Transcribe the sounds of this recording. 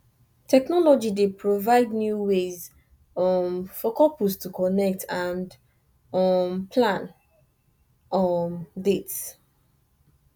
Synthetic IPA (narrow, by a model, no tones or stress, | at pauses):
tʰɛknɔlɔd͡ʒidepʰɹovaɪdnjuwez | ɔmfɔkɔpustukɔnɛk̚tʰãnd | ɔmpʰlãn | ɔmdets